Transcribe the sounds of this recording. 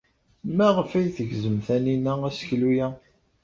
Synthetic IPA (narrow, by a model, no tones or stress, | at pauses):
mæʁəfæjθəɡzəmθæninææsə̥çlujæ